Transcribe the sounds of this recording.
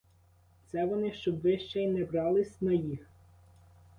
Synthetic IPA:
t̪sɛʋɔnɪʃt͡ʃɔbʋɪʃt͡ʃɛjnɛbɾɑlˠɪsʲnɐjix

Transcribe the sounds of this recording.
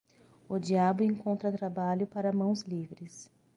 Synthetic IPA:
ʊd͡ʒiabʊẽŋkõnt̪ɾɐt̪ɾabaʎʊpaɾɐmɐ̃w̃zlivɾɪs

